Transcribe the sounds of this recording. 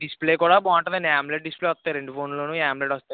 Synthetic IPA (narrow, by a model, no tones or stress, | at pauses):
ɖispleːkuːɽaːbɔːɳʈɐnɐnaːmbleʈ̚ɖispleːʋɐst̪ːaːjiɾe̞ɳɖupʰoːnloːnuːɦaːmbleʈʋɔst̪aːj